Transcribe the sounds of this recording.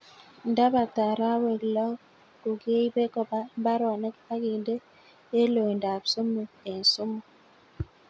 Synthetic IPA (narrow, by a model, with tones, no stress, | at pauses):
n̩˦da˦ba˨ta˨ɾa˦we˨klɔ˦ | ku˨ɡe˦i˦be˦kɔ˦ba˦m˦ba˦ɾɔ˨ne˦ka˦ɡi˨nde˦ | e˦lo˨jnda˨pso˦mu˨e˨n̩˨so˦mu˨